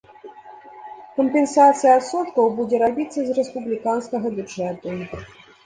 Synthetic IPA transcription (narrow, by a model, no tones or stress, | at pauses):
kɐmpʲɛnsat̪sɨjɐːt̪sɔt̪kɐwbud͡zʲɛɾabʲit̪sːɐzrɛspublʲikanskɐɣɐbʲuʐɛt̪u